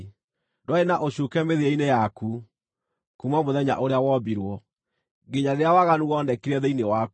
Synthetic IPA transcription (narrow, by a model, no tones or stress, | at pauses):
dwaenaʔoɕukɛmeðeeinejaku | kumwamoðɛɲa̰ʔoɾeawɔbiɾwɔ | ɡeɲaɾeɾeawaɣanuɣɔnɛkiɾɛðeinewak